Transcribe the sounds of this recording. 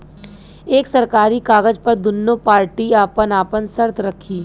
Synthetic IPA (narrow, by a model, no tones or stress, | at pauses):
eːksɐɾkaːɾikaːɡəd͡ʒpɐɾd̪ʊnːopaːɾʈiaːpənaːpənsəɾt̪ʰɾɐkʰːiː